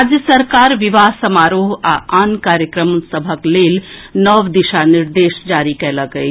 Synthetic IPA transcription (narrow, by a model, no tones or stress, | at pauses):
ad͡ʒjəsəɾkaːɾʋiʋaɦsəmaɾoɦa̰ʔankaɾjəkɾəmsəbʱəklelnəʋd̪iʃaniɾd̪esd͡ʒaɾikɛləɡəj